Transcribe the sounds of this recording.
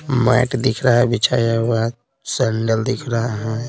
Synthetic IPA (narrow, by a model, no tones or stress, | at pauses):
ma̰ɪʈd̪ɪkʰɾəɦabɪt͡ʃʰajaɦa | səɳɖəld̪ɪkʰɾaɦaɦɛ̃